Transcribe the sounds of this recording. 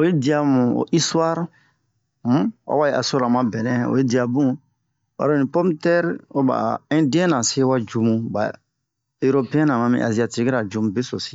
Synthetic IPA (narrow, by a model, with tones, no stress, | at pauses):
o˨˦i˦di˨a˨mũ˨o̰˨ʔi˦swa˦ɾ | mu˦wa̰˨˦wa˦je˦ʔa˨so˦ɾa˨mã˦bɛ˨nɛ̃˦˨o̰˨je˦di˨a˨bũ˦ | wa̰˨ɾo˦˨nĩ˨pɔ˦mtɛ˦ɾo˦ba̰˨ɛ̃˦di˦ɛ̃˦nã˨se˦wa˦d͡ʒu˧mũ˦ba̰˨ | e˦ɾo˦pe˦ɛ̃˦nã˨mã˦mḭ̃˨ʔa˨zi˨a˨ti˦˨˦ki˦ɾa˨d͡ʒu˦mũ˦be˦so˨si̥˦